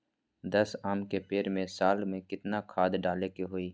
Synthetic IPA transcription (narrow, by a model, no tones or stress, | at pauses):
d̪ɐsaːmkepeːɾmẽsaːlmẽkɪt̪nakʰaːd̪ɖaːlekeɦoːiː